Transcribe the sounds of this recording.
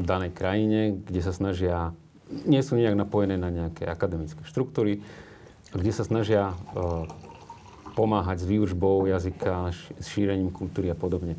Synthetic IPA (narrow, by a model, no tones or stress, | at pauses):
d̪anɛjkɾajiɲɛɡɟɛsasnaʒɪa | ɲɪɛsuːɲɛaɡnapɔjɛnɛːnaɲɛakɛːakad̪ɛmit͡skɛːʃt̪ɾuk̚t̪uːɾi | ɡɟɛsasnaʒɪa | pɔmaːɦaɟzʋiːuʒbɔʊjazikʰasʃiːɾɛɲiːmkult̪uːɾiapɔd̪ɔbɲɛ